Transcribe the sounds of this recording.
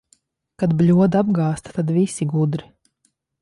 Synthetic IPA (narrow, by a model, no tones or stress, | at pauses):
kad̪blʲuɔd̪ab̚ɡɑːst̪ḁt̪ad̪visiɡud̪ɾi